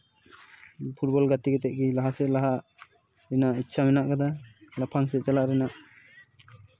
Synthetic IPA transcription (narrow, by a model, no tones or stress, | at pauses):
pʰut̚bɔlɡat̪iɡet̪ɛʔ̚ɡilaɦasɛʔlaɦaʔ | ɾinaʔitːsʰamɛnaʔɡad̪alapʰaŋs̬ɛʔt͡ʃalaʔɾinaʔ